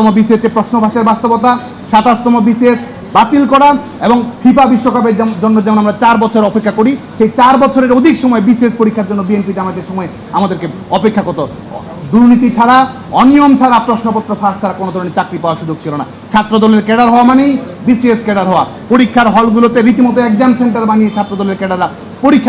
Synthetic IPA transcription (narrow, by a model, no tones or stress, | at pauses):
mobisiet͡ɕepɾoʃnobʱat͡ɕeɾbast̪obot̪a | ʃat̪ast̪omobisies | bat̪ilkɔɽa | eboŋfʰipabiʃːokap̬eɾd͡ʑd͡ʑonːoɾd͡ʑɛmonamɾat͡ɕaɾbɔt͡ɕʰoɾeɔpekʰːakoɾiʃejt͡ɕaɾbɔt͡ɕʰoɾeɾod̪ʱikʃɔmɔebisiespoɾikʰːaɾd͡ʑonːobienpiʈeamad̪eɾʃɔmɔe | amad̪eɾke | ɔpekʰːakoɾt̪o | d̪uɾnit̪̬it͡ɕʰaɾa | ɔniomt͡ɕʰaɾapɾoʃnopot̪ːɾofʰaʃt͡ɕʰaɾakonod̪ʱɔɾonet͡ɕakɾipaoaʃud͡ʑoɡ̚t͡ɕʰilona̰ | t͡ɕʰat̪ːɾod̪ɔleɾkɛɽaɾɦɔoamanejbisieskɛɖaɾɦɔoa | poɾikʰːaɾɦɔlɡulot̪eɾit̪imɔt̪oɛk̚d͡ʑanseɳʈaɾbanijet͡ɕʰat̪ːɾod̪ɔleɾkɛɖaɾːa | poɾikʰː